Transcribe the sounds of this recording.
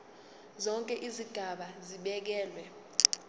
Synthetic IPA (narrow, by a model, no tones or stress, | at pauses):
zɔŋkʼɛʔiziɡ̥ʱaɓaziɓɛk̬ɛːlwɛ